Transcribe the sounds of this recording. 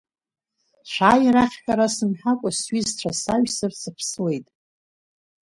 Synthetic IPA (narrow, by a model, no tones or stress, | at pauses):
ʃʷaːjiɾaχʲħᶣaɾasɨmħakʷʼasɥizt͡ʃʷʰasaʒsɨrsɨpʰsɨle̞jtʼ